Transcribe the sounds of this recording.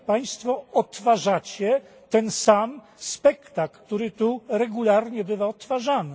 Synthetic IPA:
paj̃st̪fɔɔt̪faʐat͡ɕɛ | t̪ɛnsam | spɛkt̪akt̪uɾɘt̪uɾɛɡulaɾɲɛbɘvaɔt̪faʐanɘ

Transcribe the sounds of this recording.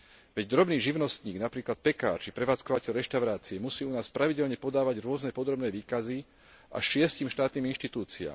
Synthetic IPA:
ʋɛɟd̪ɾɔbniːʒiʊnɔst̪ɲiːɡnapɾiːklat̪̚pɛka̰ːɾt͡ʃipɾɛʋaːt͡skɔʋacɛʎɾɛʃt̪aʊɾaːt͡siɛmusiːunaːspɾaʋiɟɛʎɲɛpɔd̪aːʋaɟɾʊɔznɛpɔd̪ɾɔbnɛːʋiːkazi | a̰ʃʃɪɛsciːmʃt̪aːt̪niːminʃt̪it̪uːt͡sia̰ːm

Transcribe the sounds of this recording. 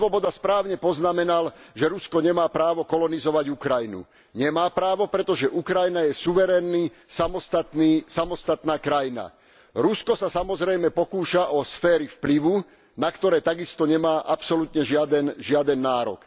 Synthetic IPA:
ʋɔbɔd̪aspɾaːʊɲɛpɔznamɛnalʒɛɾuskɔɲɛmaːpɾaːʋɔkɔlɔnizɔʋaɟukɾajnṵ | ɲɛmaːpɾaːʋɔpɾɛt̪ɔʒɛʔukɾajnajɛsuʋɛɾɛːnːi | samɔst̪at̪niːsamɔst̪at̪naːkɾajina̰ | ɾuskɔsasamɔzɾɛjmɛpɔkuːʃaʔɔsfɛːɾifpliʋu | nakt̪ɔɾɛːt̪aɡist̪ɔɲɛmaːʔapsɔlut̪ɲɛʒɪad̪ɛnʒɪad̪ɛnːaːɾɔ̰k

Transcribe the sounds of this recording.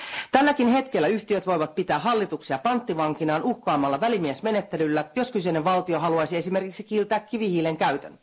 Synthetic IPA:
t̪ælːækinhe̞t̪kelːæyçt̪iøt̪ʋo̞jʋɑt̪̚pit̪æːɦɑlːit̪uksiɑpɑnt̪ːiʋɑŋk̟inɑːnuhkɑːmːɑlːɑʋælimiesme̞ne̞t̪ːe̞lylːæjo̞skyseneʋʋɑlt̪io̞ɦɑluɑjsie̞sime̞rkiksikiːlt̪æːkːiʋihiːlːeŋkæyt̪ø̰n

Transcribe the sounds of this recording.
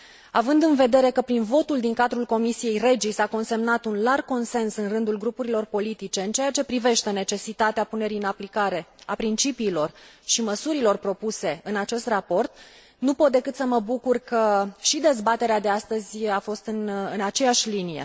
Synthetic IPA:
avɨnd̪ɨnve̞d̪e̞ɾe̞kəpɾinvo̞t̪uld̪iŋkad̪ɾulko̞misije̞jre̞d͡ʒisako̞nse̞mnat̪unlar̚ko̞nse̞nsɨnrɨnd̪ulɡɾupuɾilo̞rpo̞lit̪it͡ʃe̞ɨnt͡ʃe̞jat͡ʃe̞pɾive̞ʃt̪e̞ne̞t͡ʃe̞sit̪at̪eapune̞ɾiɨnaplikaɾe̞apɾint͡ʃipiːlo̞rʃiməsuɾilo̞rpɾo̞puse̞ɨnat͡ʃe̞st̪rapo̞rt̪ | nupo̞t̪̚d̪e̞kɨt̪səməbukurkəʃid̪e̞zbat̪e̞ɾead̪e̞ast̪əzʲafo̞st̪ɨnɨnat͡ʃe̞aʃʲlinije̞̰

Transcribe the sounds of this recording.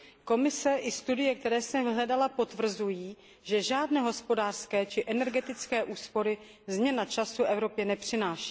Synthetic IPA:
ko̞mɪsɛʔɪst̪udɪjɛk̚t̪ɛɾɛːsɛvɪɦlɛdalapo̞t̪vr̩zujiː | ʒɛʒaːdnɛːɦo̞spo̞daːr̥skɛːt͡ʃɪʔɛnɛɾɡɛt̪ɪt͡skɛːʔuːspo̞ɾɪ | zmɲɛnat͡ʃasuʔɛvɾo̞pjɛnɛpr̝̥ɪnaːʃi̥ː

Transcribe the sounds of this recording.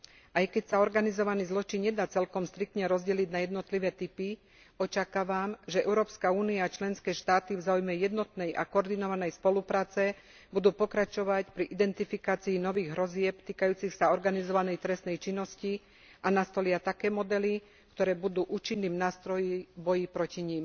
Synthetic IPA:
ʔajkɛcsaɔɾɡanizɔʋaniːzlɔt͡ʃiɲɲɛd̪aːt͡sɛlkɔmst̪ɾik̚t̪ɲɛɾɔzɟɛliɟnajɛd̪nɔt̪liʋɛːt̪ipi | ɔt͡ʃakaːʋamʒɛɛʊɾɔːpskauːniaːt͡ʃlɛnskɛːʃt̪aːt̪ivzaːujmɛjɛd̪nɔt̪nɛjʔa̰kɔɔɾd̪inɔʋanɛjspɔlupɾaːt͡sɛ | bud̪uːpɔkɾat͡ʃɔʋacpɾiʔid̪ɛnt̪ifikaːt͡siːnɔʋiːɣɦɾɔzɪɛpt̪iːkajuːt͡sixsaɔɾɡanizɔʋanɛjt̪ɾɛst̪nɛjt͡ʃinːɔsci | ʔanast̪ɔlɪat̪akɛːmɔd̪ɛli | kt̪ɔɾɛːbud̪uːʔuːt͡ʃinːiːmnaːst̪ɾɔjibɔjipɾɔciɲim

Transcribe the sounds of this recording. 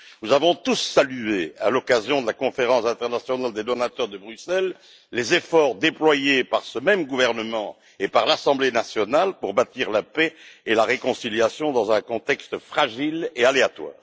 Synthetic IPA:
nuzavɔ̃t̪usːalyea̰lɔkazjɔ̃d̪əlakɔ̃feʁɑ̃sɛ̃t̪ɛʁnasjɔnald̪ed̪ɔnat̪œʁd̪əbʁysɛlː | ezefɔʁd̪eplwajepaʁsəmɛmɡuvɛʁnəmɑ̃ | epaʁlasɑ̃blenasjɔnalpuʁbat̪iʁlapɛelaʁekɔ̃siljasjɔ̃d̪ɑ̃zɛ̃kɔ̃t̪ɛkst̪fχaʒilealeat̪wa̰ːʁ

